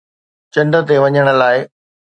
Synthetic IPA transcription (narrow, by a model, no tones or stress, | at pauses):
t͡ɕɐ̃nɖə̆t̪eʋɐɲəɽ̃ə̆laːɪ